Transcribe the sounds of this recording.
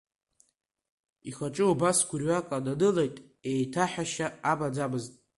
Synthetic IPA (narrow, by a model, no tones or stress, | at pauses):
iχat͡ʃʼɨubasɡʷʊrɥakʼadadɨlejtʼ | ejtʰaħaʃaabad͡zabɨztʼ